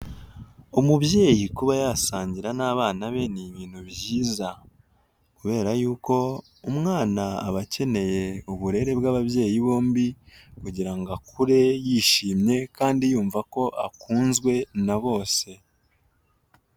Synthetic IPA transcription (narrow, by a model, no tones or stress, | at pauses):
umuβje̞ːjikuβajasaːɲɟiɾanaːβaːnaβe̞niβiːn̥huβɟiːza | kuβe̞ːɾajuːko̞ | umŋaːnaːβace̞ne̞je̞uβuɾe̞ɾe̞bɡaːβaβje̞ːjiβo̞ːmbikuɟiɾaŋɡakʰuɾe̞jiːʃiːmɲe̞kaːndijuːɱvako̞ʔa̰kuːnzɡwe̞naβo̞ːse̞